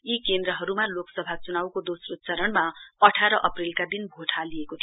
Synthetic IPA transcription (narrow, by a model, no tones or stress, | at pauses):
ikend̪ɾʌɦʌɾumaloksʌbʱat͡sunawkod̪osrut̪̚t͡sʌɾʌnmaʌʈʰaɾʌʔʌprilkad̪inbʱoʈʰalijekot̪ʰi